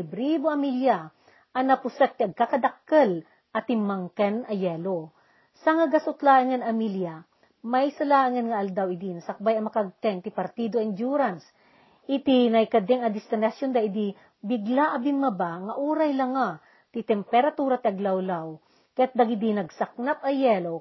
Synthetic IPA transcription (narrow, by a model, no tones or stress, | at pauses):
bɾiboɐmilja | ʔɐnɐpʊsɛk̚t̪iʔɐɡ̚kakɐd̪akːɐl | ʔɐt̪ɪmaŋkɛnɐjɛlo | saŋaɡɐsʊt̪laːʔɨŋɐnɐmilja | majsɐlaːʔɨŋɐnŋɐʔɐld̪awɪd̪inɐsɐk̚bajɐmɐkaɡ̚t̪ɛŋt̪ipɐɾt̪id̪oɪnd͡ʒjuɾans | ʔɪt̪inɐjkɐd̪ɛŋɐd̪ɪst̪ɪnɐsjond̪aʔid̪i | bɪɡlaʔɐbɪnmɐbaŋɐʔuːɾajlɐŋa | t̪it̪ɛmpɛɾat̪uːɾat̪iʔɐɡlawlaw | kɐjat̪̚d̪ɐɡid̪inɐɡsɐk̚nap̚ɐjɛlo